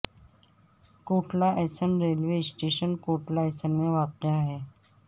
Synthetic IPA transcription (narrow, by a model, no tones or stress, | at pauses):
koːʈlaʔɛːsənɾeːlʋesʈeːʃənkoːʈlaɛːsənmẽʋaːqɪjaɦɛː